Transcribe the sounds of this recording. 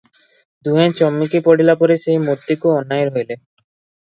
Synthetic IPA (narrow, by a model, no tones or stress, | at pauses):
d̪uɦẽt͡ɕɔmːikipɔɽ̤ilapɔɾeʃeɦimot̪ːikuɔnːajeɾojle